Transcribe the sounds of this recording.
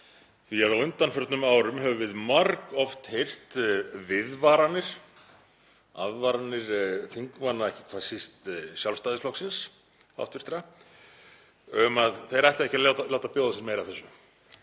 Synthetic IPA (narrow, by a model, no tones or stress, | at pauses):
θiaðawʏnt̪anfœɾt̪nʏmaːwɾʏmɦɛvʏvɪðmaɾkɔft̪hejr̥t̪vɪðvaɾanːɪɾ̥ | a̰ðvaɾanːɪɾ̥θiŋkvanːaɛhcɪ̥kʰvasist̪sjalst̪aːðɪsflɔksɪns | a̰ft̪vɪst̪ɾa | œmaðθejɾaɛht̪laɛhcalawt̪alawt̪apjɔwðasɪnmejɾaθɛsːʏ